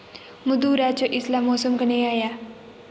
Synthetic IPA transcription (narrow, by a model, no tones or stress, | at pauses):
mud̪uɾat͡ʃoʔislamːosəmkəneaja